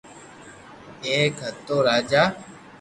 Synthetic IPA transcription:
eːkɦət̪ːoːɾaːd͡ʒaː

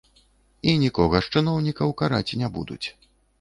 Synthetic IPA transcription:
inʲikɔɣɐʂt͡ʂɨnɔwnʲikɐwkaɾat͡sʲinʲabṵd̪ṵt͡sʲ

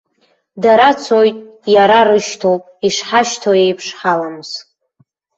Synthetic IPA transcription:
daɾat͡sʰojtʼjaɾaɾɨʃtʰowpʼiʂħaʃtʰoe̞jpʰʂħalamɨz̥

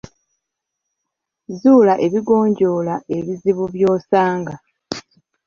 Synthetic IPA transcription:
zuːlaʔe̞βiɡo̞ːɲɟo̞ːlaʔe̞βiziβuβjo̞ːsaːŋɡa

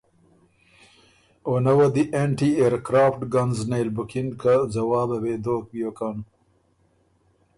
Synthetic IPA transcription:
onɐwɐd̪iʔeɳʈieɾkɾaːfʈɡɐnznejlbʊkiŋkazɐwaːbɐweːd̪oːk̚bijoːkan

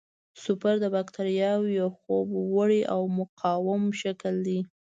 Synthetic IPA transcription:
sʊpaɾd̪əbakt̪aɾjɑwjawxobwəɽiʔawmʊqʰɑwamʃakəld̪i

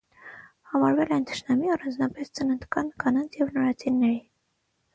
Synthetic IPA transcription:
hɑmɑɾvɛlɛɛjnt̪ʰə̥ʃnɑmiɑrɑnd͡znɑpɛst͡sənənt̪kɑnkɑnɑnt͡sʰjɛvnɔɾɑt͡sʰinːɛɾi

